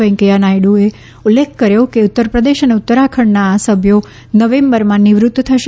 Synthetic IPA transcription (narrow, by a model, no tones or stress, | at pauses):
ɛ̃ŋkijanajɽue | ulːekʰkəɾjokeut̪ːəɾpɾəd̪eʃəneut̪ːəɾakʰəɳnaːsəbʱjo | nəʋẽmbəɾmãniʋɾʊt̪ːt̪ʰəʃ